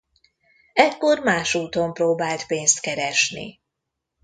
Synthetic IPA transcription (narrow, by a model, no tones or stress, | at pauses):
ɛkːo̞rmaːʃuːt̪o̞mproːbaːlt̪peːnst̪kɛɾɛʃnḭ